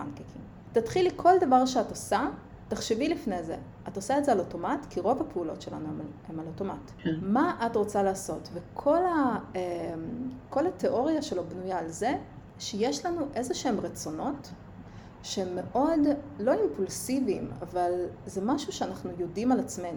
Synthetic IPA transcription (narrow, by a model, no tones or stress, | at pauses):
a̰nkikim | tatχilikʰo̞ldavaʁʃeatosa | taχʃevilifne̞ze̞̰ | atosaetzealoto̞matkʰiʁo̞vapeulo̞tʃe̞la̰nueemaloto̞mat | maʔatʁo̞t͡salaːso̞tvekʰo̞laemko̞lhate̞ʔo̞ʁijaʃe̞lo̞bnujaːlze̞ | ʃejeʃlanuʔe̞zoʃeemʁet͡so̞no̞t | ʃeemːe̞ʔo̞dlo̞impulsivima̰valzemaʃuʃeanaχnujodimalat͡sme̞nu